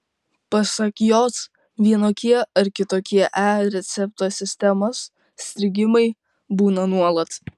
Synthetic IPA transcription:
pɐsɐkjoːs | ʋʲiɛnoːkʲiɛɐɾkʲɪt̪oːkʲiɛʔæːɾʲɛt̪sʲɛp̚t̪oːsʲɪsʲt̪ʲɛmoːs | sʲt̪ʲɾʲɪɡʲɪmɐɪ | buːnɐnuɔlˠɐt̪

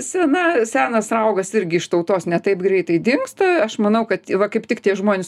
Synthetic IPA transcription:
sʲɛnɐsʲæːnɐsɾɐʊɡɐsɪɾʲɡʲɪɪʃt̪ɐʊt̪oːsnʲɛt̪ɐɪpɡɾʲɛɪt̪ɐɪd̪ʲɪŋkst̪ɐɐʃmɐnɐʊkɐt̪ʲʋɐkɐɪptʲɪkt̪ʲiɛʒmoːnʲɪs

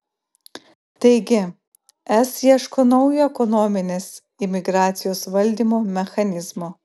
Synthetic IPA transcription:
t̪ɐɪɡʲɪ | ɛsjiɛʃkoːnɒʊjoɛkɔnɔmʲɪnʲeːs | ɪmʲɪɡɾɑːt̪sʲɪjoːsʋɐlʲˑd̪ʲiːmoːmʲɛxɐnʲɪzmoː

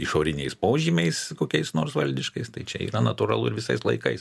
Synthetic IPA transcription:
iʃoːɾʲɪnʲɛɪspoːʒʲimʲɛɪskoːkʲɛɪsnoːrsʋɐlʲd̪ʲɪʃkɐɪst̪ɐɪt͡ʃʲɛḭːɾɐnɐt̪uɾɐlˠʊɪɾʋʲɪsɐɪslˠɐɪkɐɪs

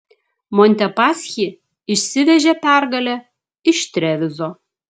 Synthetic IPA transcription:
monʲt̪ʲɛpɑsʲxʲiː | ɪʃʲsʲɪʋʲɛʒʲɛpʲæɾɡɐlʲɛ | ɪʃt̪ʲɾʲɛʋʲɪzoː

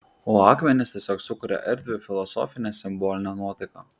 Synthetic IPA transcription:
oːɑːkmʲɛnʲɪst̪ʲiɛsʲoːksʊkʊɾʲɛ̰ʔɪɾʲd̪ʲʋʲɪfʲɪlˠɔsɔ̰fʲɪnʲɛsʲɪmbɔlʲɪnʲɛnuɔt̪ɐɪkɐ

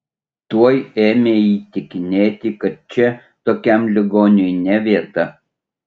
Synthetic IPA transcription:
t̪uɔjeːmʲeːiːt̪ʲɪkʲɪnʲeːt̪ʲɪkɐt̪̚t͡ʃʲɛ | t̪oːkʲɛˑmlʲɪɡoːnʲɪjnʲɛʋʲiɛt̪ɐ

